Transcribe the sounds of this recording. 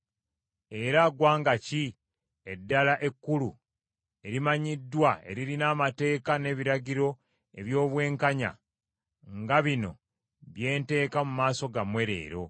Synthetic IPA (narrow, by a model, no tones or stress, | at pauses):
e̞ɾaɡwaːŋɡaci | edːalaʔe̞kːulu | e̞ɾimaɲidːwae̞̰ɾiɾinaːmate̞ːkane̞ːβiɾaɟiɾo̞ | e̞βjo̞ːβwe̞ːŋkaɲa̰ | ŋɡaβino̞̰ | βje̞ːnte̞ːkamumaːso̞ɡamwe̞ɾe̞̰ːɾo̞